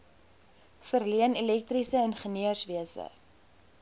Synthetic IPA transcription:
fərliənilɛk̚trisəɛnχəniəsviəsə̰

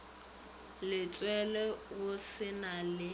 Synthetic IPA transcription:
lɪt͡sʼwɛlɛɣʊsɪnalɪ

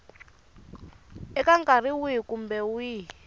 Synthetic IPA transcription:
ɛkaŋkariwiikumbɛwi

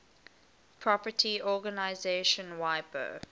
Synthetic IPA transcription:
pʰɹɔpətʰiɔːɡənaɪzeːʃə̃nwaɪpə̰

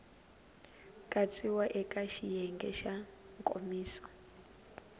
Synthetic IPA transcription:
kʼat͡sʼiwaʔɛkʼaʃijɛŋɡɛ̰ʃa | ŋkʼo̰miːsɔ̥

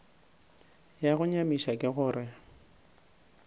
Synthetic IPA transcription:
jaɣʊɲamiʃakʼɪɣʊːɾɪ

